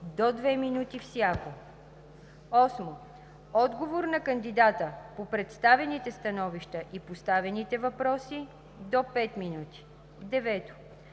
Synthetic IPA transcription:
d̪od̪vɛminut̪ifsʲjako | ɔsmo | ɔd̪ɡovoɾnɐkɐnd̪id̪at̪əpopɾɛt̪st̪avɛnit̪ɛst̪ɐnɔviʃt̪əʔipost̪avɛnit̪ɛvɐpɾɔsi | d̪opɛt̪minut̪i̥ | d̪ɛvɛt̪o̥

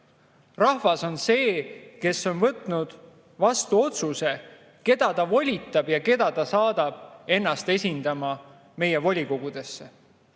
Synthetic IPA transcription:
rɑhvɑso̞nse̞ːke̞sːo̞nvɤt̪ˑnud̪̥ | vɑst̪uo̞t̪suse̞ | ke̞d̪̥ɑt̪ɑvo̞lʲit̪ːˑɑb̥jɑke̞d̪̥ɑt̪ɑsɑːd̪ɑb̥̚e̞nːɑst̪e̞sʲind̪̥ɑmɑ | me̞jevo̞lʲiko̞ɡ̥ud̪̥e̞sːe̞

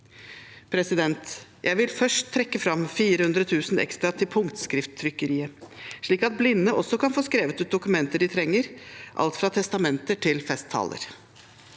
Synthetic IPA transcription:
pʰɾɛsɪd̪ɛnt̪jʔæɪʋɪlfœʂʈt̪ʰːɾɛkːəfɾɑmːfiːɾəhʉnd̪ɾət̪ʰʉːsn̩ɛ̰kst̪ɾɑt̪ʰɪlpʰʊŋkt̪skɾɪft̪ʰːɾʏkːəɾiːəʂɭiːkɑt̪̚blɪnːəʔɔsːɔkɑnfoːskɾeːʋət̪ʉːt̪̚d̪ʊkʉmɛnt̪əɖɪt̪ʰɾɛŋːəɾʔɑ̰lt̪fɾɑt̪ʰɛst̪ɑmɛnt̪əʈʰɪlfɛst̪ʰːɑ̰ːlə̰ɾ

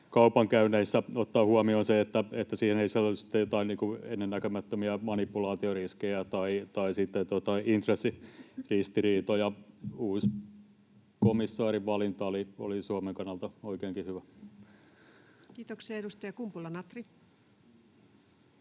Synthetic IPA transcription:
kɑupɑŋkæyneisːæot̪ːɑːhuɑmionseet̪ːæet̪ːæsiːheneisælːousi̥t̪ːejot̪ɑinniːŋkuenːennækømæt̪ːømiæmɑnipulɑːt̪ioriskejæt̪ɑit̪ɑisit̪ːet̪ot̪ɑint̪resːirist̪iriːt̪ojɑuːs | komisːɑːriʋʋɑlint̪ɑlio̰lisuɑmeŋkɑnːɑlt̪ɑoikeːŋkihyʋæ | kiːt̪oksiɑedust̪ɑjɑkumpulɑnɑt̪ri

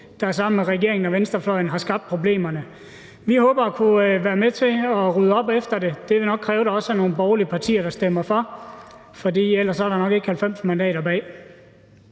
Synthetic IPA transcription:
d̥ɑ̈æɐsɑ̈mn̩meʁɛɡ̥e̝ɐ̰eŋn̩ɒʋensd̥ɐflɒ̽ɪ̰n̩ɦɑ̈sɡ̥ɑ̈b̥̚d̥̚pʰʁob̥le̝̰ːmɐnə | ʋihɔ̽ːb̥ɐkʰuʋæːɐmet͡sʰe̝ɒ̽ʁyð̞̩ˠɒ̽b̥efd̥ɐɾe̝d̥e̝ʋe̝nɒ̽ɡ̥̚kʰʁɛːʊɾɑ̈ɒ̽sæno̝ːn̩b̥ɒːliəpʰɑ̈t͡sʰḭːɐɾ̥ɑ̈sd̥emɐfɒ | fɒ̽dḭːel̰ɐsːɒ̽ɐɾ̥ɑ̈nɒ̽ɡ̥e̝ɡ̥əhælfem̰smænd̥ɛ̰ːɾɐb̥ɛ̰ː

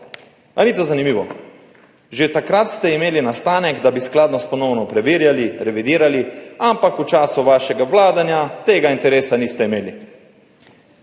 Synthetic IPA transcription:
a̰nit̪ozanimiːʋɔ | ʒet̪akɾat̪st̪ɛimeːlinast̪aːnɛɡd̪abisklaːd̪nɔst̪pɔnɔwnɔpɾɛʋiːɾjaliɾɛʋid̪iːɾaliampakut͡ʃaːsuʋaʃɛɡaʋlaːd̪anjat̪eːɡaint̪ɛɾeːsaniːst̪ɛimeːli

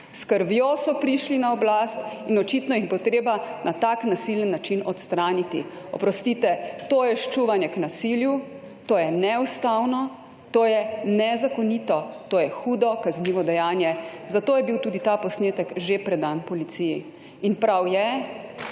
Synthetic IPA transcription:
skəɾbjoːsɔpɾiʃlinaɔblast̪inɔt͡ʃit̪nɔjiɣbot̪ɾeːbanʔat̪aknasiljənːat͡ʃinɔt̪st̪ɾaːnit̪ḭɔpɾɔst̪it̪ɛt̪oːjɛʃt͡ʃuːʋanjɛknasilju | t̪oːjɛnɛust̪awnɔ | t̪oːjɛnɛzakɔnit̪ɔt̪oːjɛxuːd̪ɔkazniːʋɔd̪ɛjaːnjɛzat̪oːjɛbiwt̪uːd̪it̪apɔsneːt̪ɛkʒepɾɛd̪anpɔlit̪siji | inpɾawjɛ

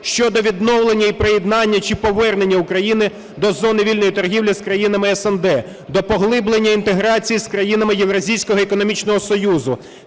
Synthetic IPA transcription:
ʃt͡ʃɔd̪ɔʋʲid̪nɔwlˠenʲːɐipɾɪjɛd̪nɑnʲːɐt͡ʃipɔʋɛrne̞nʲːɐukɾɐjinɪ | d̪ɔzɔnɪʋʲilʲnɔjit̪ɔrɦʲiwlʲiskɾɐjinɐmɪɛsɛnd̪ɛ | d̪ɔpɔɦlˠɪblˠenʲːɐint̪eɦɾɑt͡sʲijiskɾɐjinɐmɪjewɾɔzʲijsʲkɔɦɔekɔnɔmʲit͡ʃnɔɦɔsɔjuzʊ

